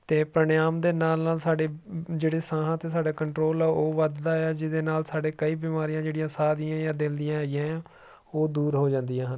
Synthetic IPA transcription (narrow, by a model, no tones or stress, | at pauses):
t̪eːpɾəɳjaːmd̪eːnaːlnaːlsaːɖeːd͡ʒeːɽeːsãːɦãːt̪eːsaːɖaːkəɳʈɾoːlɛːʔoːʋəd̪d̪aːaːd͡ʒɪd̪eːnaːlsaːɖeːkəiːbiːmaːɾijãːd͡ʒeːɽɪjãːsaːd̪ijãːjaːd̪ɪld̪ijãːɡɪjãːjãː | oːd̪uːɾɦoːd͡ʒãːnd̪ijãːɦən